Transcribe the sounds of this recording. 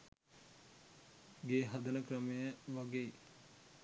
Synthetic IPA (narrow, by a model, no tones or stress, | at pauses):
ɡeːɦad̪ənəkrəmejəʋaɡeː